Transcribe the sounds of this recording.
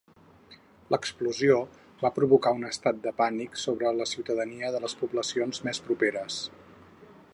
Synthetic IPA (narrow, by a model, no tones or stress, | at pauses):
ləkspluzio | βapɾuβukaunəst̪at̪̚d̪əpaniksoβɾələsiuwt̪əðəniəðələspubləsionzmespɾupeɾəs